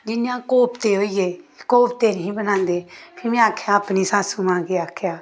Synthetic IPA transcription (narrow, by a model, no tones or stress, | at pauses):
d͡ʒɪnjãːkoːpt̪eːɦoːiːeːkoːpt̪eːnəɦĩːbənãːnd̪eːpʰɪmẽːaːkʰeãːəpniːsaːsũːmãːɡeːaːkʰjaː